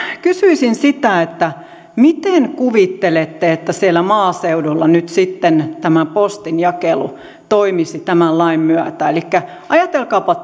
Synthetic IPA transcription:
kysyisinsit̪æet̪ːæ | mit̪enkuʋit̪ːelet̪ːeet̪ːæsielːˑæmɑːseudulːɑnyt̪sit̪ːent̪æmæpost̪injɑkelṵ | t̪oimisit̪æmællɑimmyæt̪æelikːæ | ʔɑjɑt̪elkɑːpɑ

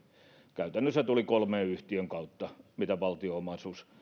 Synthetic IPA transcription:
kæyt̪ænːøsːæt̪ulikolmeːyht̪iøŋkɑut̪ːɑmit̪æʋɑlt̪iomɑsus

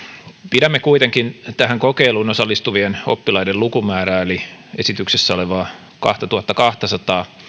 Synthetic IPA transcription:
pidæmːekuit̪eŋkint̪æhæŋkokeilunosɑlːist̪uʋieno̰pːilɑidellukumæːɾæːeliesit̪yksesːæoleʋɑː | kɑ̰ht̪ɑt̪uhɑt̪ːɑkɑht̪ɑsɑt̪ɑː

